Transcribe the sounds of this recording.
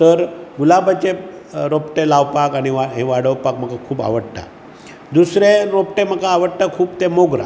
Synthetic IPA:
t̪əɾɡulabʱat͡ɕeɾopʈelawpakaɽ̃iʋaɦeʋaɽəwpakm̤əkakʰuːba̰ʋəɽʈa̰ | d̪usɾeɾopʈem̤əkaːʋəɽʈakʰuːbt̪emoɡɾa̰

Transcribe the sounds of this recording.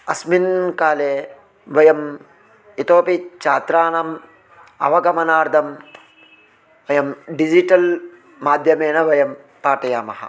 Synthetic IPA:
ɐsminkaːleː | ʋɐjɐm | it̪oːpit͡ʃaːt̪ɾaːnɐm | ɐ̰ʋɐɡɐmɐnaːɾd̪ʱɐm | ʋɐjɐmɖid͡ʒiʈɐl | maːd̪ʱjɐmeːnɐʋɐjɐm | paːʈɐjaːmɐɦɐ̰

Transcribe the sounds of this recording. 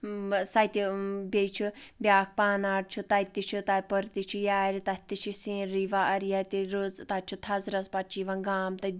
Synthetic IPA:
sɐjt̪ibʲet͡ʃʰubʲaːk̚ʰpaːnaːʈ̚t͡ʃʰut̪ɐt̪ːit͡ʃʰut̪apɔɾt̪it͡ʃʰujaːɾit̪ɐt̪ːit͡ʃʰisĩːɾiʋaʔɐɾijat̪iɾozt̪ɐt͡ʃʰut̪ʰɐzɾɐzpɐt͡ʃʰiʋãɡaːmt̪ɐ

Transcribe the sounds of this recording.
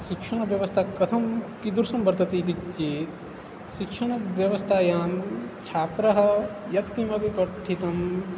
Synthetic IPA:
ʃikʂɐɳ̃ɐʋjɐʋɐst̪ʰaːkɐt̪ʰɐmkid̪uɾsɐ̃mbɐɾt̪ɐt̪it̪it͡ʃːeːt̪ | ʃikʂɐɳ̃ɐʋjɐʋɐst̪ʰaːjaːmt͡ʃʰaːt̪ɾɐɦɐjɐk̪kːimɐbʱipɐʈʰːit̪ɐm

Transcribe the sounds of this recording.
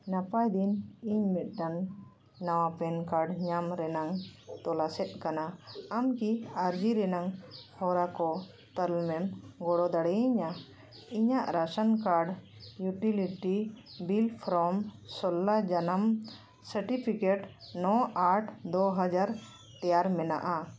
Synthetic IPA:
napajd̪iniɲmit̪̚ˀdanː | awapɛnkaɾɖɲamɾɛnaŋt̪ɔlasɛt̪̚ˀkanaamkiaɾd͡ʒiɾɛnaŋhɔɾakɔ | t̪əlmɛmɡɔɽɔd̪aɽɛjiɲa | iɲaʔɾasənkaɾɖjuʈiliʈibilpʰɾɔmsɔlːad͡ʒanam | səɾʈipʰikeʈnɔʔaɾʈʰd̪ɔɦad͡ʒaɾ | t̪ɛjaɾmɛna̰ʔa

